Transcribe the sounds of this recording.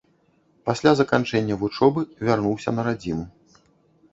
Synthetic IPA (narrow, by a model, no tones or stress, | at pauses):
pasʲlʲazɐkant͡ʂɛnʲːɐvut͡ʂɔbɨvʲarnuwsʲɐ̰nɐɾad͡zʲinu